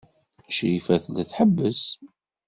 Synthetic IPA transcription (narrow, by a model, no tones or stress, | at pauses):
ʃifæθlθħəbːəs